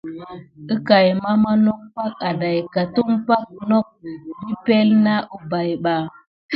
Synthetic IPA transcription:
ə˦ka˨jma˦ma˦no˦k̚pa˦k̚a˨da˨jka˨tu˦ŋpa˦k̚no˦k̚bi˦pe˦lna˦ʔu˦ba˨jɓa˨

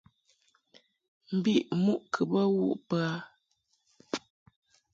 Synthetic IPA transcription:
m̩˨bi˦˨ʔmu˦˨ʔkʰə˨bə˦wṵ˦˨ʔpa˨˦

